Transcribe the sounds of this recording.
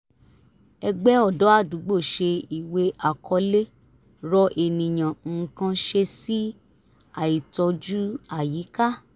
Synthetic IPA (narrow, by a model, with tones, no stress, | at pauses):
ɛ˧ɡ͡bɛ˦ɔ˦˨dɔ˨˦a˦˨du˨˦ɡ͡bo˦˨ʃe˧i˨we˧ʔa˨kʰɔ˧le˦ | ɾɔ˧ʔe˨nĩ˨j̃ã˨ŋ̩˨kã˧ʃe˧si˦ | a˦˨i˨tɔ˧d͡ʒu˦a˦˨ji˨˦ka˦˨